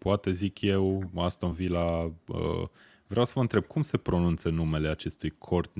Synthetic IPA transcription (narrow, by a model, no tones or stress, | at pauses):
poat̪e̞zikʰje̞wast̪aumvilaə̰ | vɾeawsəvəɨnt̪ɾe̞b̚kʰumse̞pɾo̞nunt̪sənume̞le̞at͡ʃe̞st̪ujkʰo̞rt̪